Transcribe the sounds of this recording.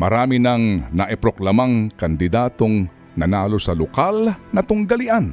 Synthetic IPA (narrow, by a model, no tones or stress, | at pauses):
mɐɾaːmɪnɐŋnɐʔɛpɾoklɐmaŋkɐnd̪ɪd̪aːt̪o̞ŋ | nɐnaːlo̞sɐlokalnɐt̪ʊŋɡɐlɪʔan